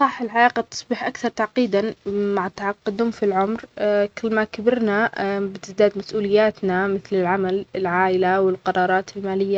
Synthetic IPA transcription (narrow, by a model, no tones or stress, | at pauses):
sˤɑħːɪlʕalɑːqɑt̪ʊ̥sˤbɪħʔakθɑɾˤt̪aʕqiːd̪anmaʕt̪ɑʕɑqːɪd̪umfilʕʊmɾkɪlːmakabɪɾnabɪt̪ɪzd̪aːd̪masʔuːlɪjːaːt̪namɪθlɪlʕamalɪlʕaːʔɪlawɪlqɑɾˤɑːɾˤɑːt̪ɪlmaːlɪjːa